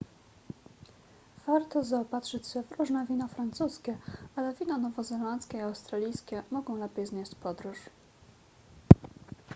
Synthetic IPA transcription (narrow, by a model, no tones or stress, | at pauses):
v̥aɾt̪ɔzaɔpat̪ʂɘt͡ɕɕɛvɾuʐnɛvʲinɔfɾant̪suskʲɛalɛvʲinɔnɔvɔzɛlant̪skʲɛiawst̪ɾalʲijskʲɛmɔɡɔ̃w̃lɛpʲɛjzɲʲeɕt͡ɕpɔd̪ɾuʂ